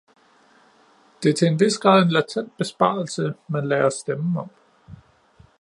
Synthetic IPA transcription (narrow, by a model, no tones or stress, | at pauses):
d̥e̝ɐt͡sʰe̝enʋe̝sɡ̥ʁɑ̈ð̞̰ˠe̝nlæt͡sʰen̰d̥̚b̥e̝sb̥ɑ̰̈ːl̩səmænleːɐsd̥emɒ̽m̰